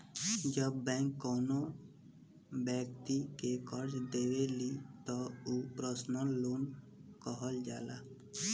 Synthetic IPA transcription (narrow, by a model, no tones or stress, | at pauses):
d͡ʒəbːɛ̃ːkːɔːno | bɛːkt̪ikekəɾd͡ʒd̪eːwelit̪ɔupɾəsnəloːn | kəɦəld͡ʒaːlaː